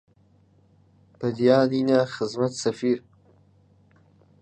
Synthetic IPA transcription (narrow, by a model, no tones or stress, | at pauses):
pad̪jɑːninaxɪzmat̪safiɾ